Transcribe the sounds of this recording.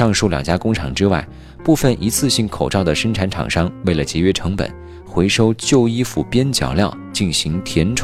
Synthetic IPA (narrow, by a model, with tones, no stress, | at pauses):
ʂɑ˥˧ŋʂu˥˩ljɑ̰˨˩ŋt͡ɕja˥kʊ˥ŋʈ͡ʂʰɑ̰˨˩ŋʈ͡ʂɻ̩˥wa˥˩ɪ | pu˥˧fə˥˩nʔi˧˥t͡sʰɹ̩˥˧ɕi˥˩ŋkʰo˨˩ʊʈ͡ʂɑ˥˩ʊd̪ə˩ʂə˥ŋʈ͡ʂʰa˧˥nʈ͡ʂʰɑ̰˨˩ŋʂɑ˥ŋwe˥˩ɪlə˩t͡ɕjɛ˧˥ɥɛ˥ʈ͡ʂʰɤ˧˥ŋpə̰˨˩˦n | xwe˧˥ɪʂo˥ʊt͡ɕjo˥˧ʊi˥fṵ˥˩pjɛ˥nt͡ɕjɑ̰˨˩ʊljɑ˥˩ʊt͡ɕi˥˩nɕi˧˥ŋt̪ʰjɛ˧˥nʈ͡ʂʰ